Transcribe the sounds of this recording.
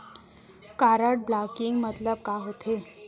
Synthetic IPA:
kaɾəʈ̚blakiŋɡmət̪ləb̚kaɦot̪ʰe

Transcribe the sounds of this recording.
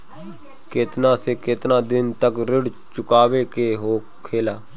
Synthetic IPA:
kɪt̪nãːsekɪt̪nãːd̪ɪnt̪əkɾɪɽ | t͡ʃʊkaːʋeːkeːɦoːkʰeːlaː

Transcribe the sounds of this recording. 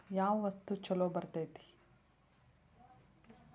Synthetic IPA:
jaːʋʋɐst̪ut͡ʃɐloːbɐɾt̪ɐjt̪i̥

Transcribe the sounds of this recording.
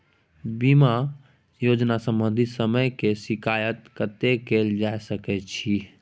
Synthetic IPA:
bima | jod͡ʒnasə̃mbə̃nd̪ʱit̪səməjkesikajət̪kət̪ekeld͡ʒajsəkɛt͡ʃʰi

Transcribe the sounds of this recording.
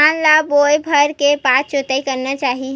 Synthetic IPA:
aːnlaboːjbʱɐɾkepaːst͡ʃot̪aikɐɾnat͡ʃaːɦi

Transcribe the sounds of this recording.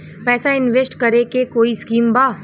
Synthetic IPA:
pɛːsaɪnʋesʈkɐɾekekoːiskiːmbaː

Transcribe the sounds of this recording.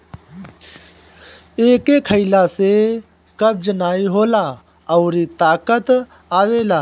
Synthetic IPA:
eːkeːkʰəɪlase | kəb̚d͡ʒnaːiɦoːlaː | əːɾit̪aːkət̪ | aːʋeːlaː

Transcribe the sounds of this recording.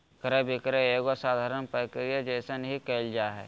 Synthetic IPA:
kɾebɪkɾeeɡosaːd̪ʱaːɾənpɾəkɾijad͡ʒɛːsənɦikeːld͡ʒaɦɛ̰ː

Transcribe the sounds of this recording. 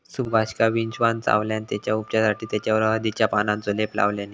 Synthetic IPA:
subbʱaɕkaʋind͡ʑʋant͡sa̰ʋljanit̪jat͡ɕjaupt͡ɕjasaʈʰiːt̪jat͡ɕjaʋəɾɦəd̪it͡ɕjapanãnt͡solepla̰ʋljani

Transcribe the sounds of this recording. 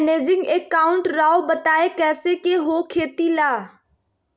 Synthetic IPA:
neːd͡ʒɪ̃ŋɡeːkaːʊ̃ɳʈɾaːobət̪aːekɛːsekeɦoːkʰeːt̪ilaː

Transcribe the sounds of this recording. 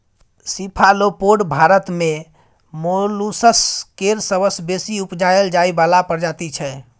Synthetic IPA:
sipʰalopoɖbʱaɾət̪me | molusəskeɾsəbəsbesiupd͡ʒaeld͡ʒaibalapəɾd͡ʒat̪it͡ʃʰɛ

